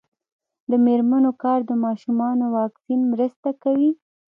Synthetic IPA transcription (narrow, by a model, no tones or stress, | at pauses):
d̪əmeɾmanokɑɾd̪əmɑʃumɑnowɑksinmɾəst̪akawi